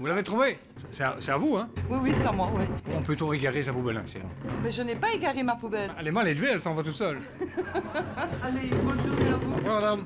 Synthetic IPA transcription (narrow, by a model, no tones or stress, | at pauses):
vulavet̪χuve | sɛsɛa̰sɛt̪avuɛ̃wiwisɛt̪amwawikɔmɑ̃ɔ̃pøt̪ɔ̃eɡaʁesapubɛlɛ̰̃sḭɛ̰̃bɛʒənɛpaeɡaʁemapubɛɛlɛmalelveɛlsɑ̃vat̪̬ut̪sœl | alemɔ̃t̪udapuwamad̪am